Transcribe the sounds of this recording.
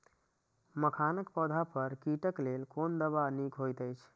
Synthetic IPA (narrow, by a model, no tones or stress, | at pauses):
məkʰanəkpəd̪ʱapəɾkiʈəklelkond̪əβanikɦojt̪əjt͡ʃʰ